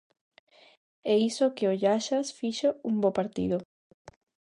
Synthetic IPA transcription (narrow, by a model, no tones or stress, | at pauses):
ɛisokeoʎaʃasfiʃouŋbopaɾt̪ḭðo